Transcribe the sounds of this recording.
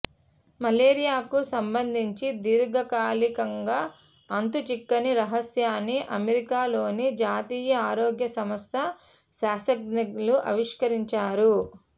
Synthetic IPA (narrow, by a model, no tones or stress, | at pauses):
mɐleːɾijaːkusɐmbɐnd̪ʱiɲt͡ʃid̪iːɾɡɐkaːlikɐŋɡaː | ɐnt̪ut͡ʃikːɐniɾɐɦɐsjaːnːiʔɐmeɾikaːlo̞ːnid͡ʒaːt̪iːjɐaːɾoːɡjɐsɐmɐst̪ʰɐ | saːsɐɡ̚niluʔɐ̰ʋiʂkɐɾiɲt͡ʃaːɾu